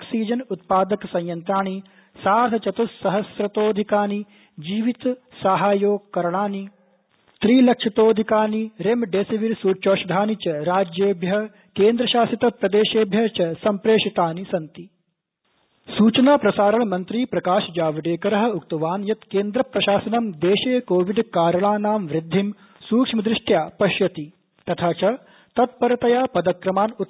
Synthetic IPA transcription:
oksiːd͡ʒɐnut̪̚paːd̪ɐksɐ̃j̃jɐnt̪ɾaːɳi | saːɾt̪ʰɐt͡ʃɐt̪usɐɦɐsɾɐt̪oːd̪ʱikaːni | d͡ʒiːʋit̪saɦaːjoːɡ̚kːɐɾɐɳ̃aːni | t̪ɾiːlɐkʂɐt̪oːd̪ʱikaːniɾemɖeːsiʋiɾsuːt͡ʃoːʃɐd̪ʱaːnit͡ʃɐɾaːd͡ʒjeːbʱjɐ | keːnd̪ɾɐʃaːsit̪ɐpɾɐd̪eːʃeːbʱjɐt͡ʃɐsɐmpɾeːʂit̪aːnisɐnt̪i | suːt͡ʃɐnaːpɾɐsaːɾɐɳɐmɐnt̪ɾiːpɾɐkaːʃɐd͡ʒaːʋɐɖeːkɐɾɐɦɐ̆ukt̪ɐʋaːnjɐt̪keːnd̪ɾɐpɾɐʃaːsɐnɐmd̪eːʃeːkoːʋiɖkaːɾɐɳaːnaːmʋɾɪd̪ʱːim | suːkʂmɐd̪ɾɪʂʈjaːpɐʃjɐt̪i | t̪ɐt̪ʰaːt͡ʃɐ | t̪ɐt̪̚pɐɾɐt̪ɐjaːpɐd̪ɐkɾɐmaːnu

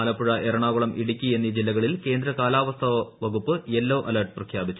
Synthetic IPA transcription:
aːlɐpːuɻɐʔeɾɐɳaːɣuɭɐmʔiɽikʲːue̞nːid͡ʑilːɐɣɐɭilke̞ːnd̪ɾɐkaːlaːʋɐst̪ʰɐʋɐʋɐɣupːɨelːoːʔɐlɐrʈɨprɐkʰjaːbit͡ɕːu̥

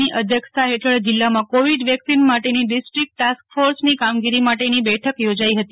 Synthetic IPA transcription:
iʔəd̪ʱjəksaɦeʈʰəɭd͡ʒɪlːamãkoʋiɖʋjəksinmaʈeniɖisʈɾik̚ʈʈaskfoɾsnikamɡiɾimaʈenibɛʈʰəkjod͡ʒaiɦət̪i

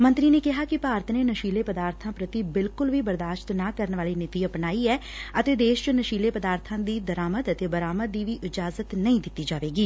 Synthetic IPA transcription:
mə̃nt̪ɾiːneːkɪɦaːkɪpaːɾət̪ʰneːnəʃiːleːpəd̪aːɾt̪ʰãːpɾət̪iːbɪlkʊlʋiːbəɾd̪aːʃt̪naːkəɾənʋaːliːnɪt̪iːəpnaːiːɛːət̪eːd̪eːʃt͡ʃʊnəʃiːleːpəd̪aːɾt̪ʰãːd̪iːd̪əɾaːmət̪ət̪eːbəɾaːməd̪iːʋiːʔɪd͡ʒaːzət̪nəĩːd̪ɪt̪ːiːd͡ʒaːʋeːɡiː

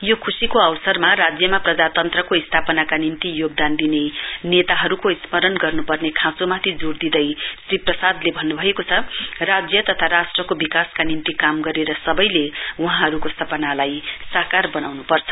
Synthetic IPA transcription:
jokʰusikoʌwsʌrmarad͡zjʌmaprʌd͡zat̪ʌnt̪rʌkoist̪ʰapʌnakanimt̪ijoɡ̚d̪and̪inenet̪aɦʌɾukoismʌɾʌnɡʌrnupʌrnekʰãsomat̪ʰid͡zuɾd̪id̪ʌjsriprʌsad̪lebʱʌnːubʱʌekot͡sʰʌrad͡zjʌt̪ʌt̪ʰaɾasʈrʌkobikaskanimt̪ikamɡʌɾeɾʌsʌbʌjleuɦãɦʌɾukost̪ʰʌpʌnalajsʌɦkarbʌnawnupʌrt͡sʰʌ̥

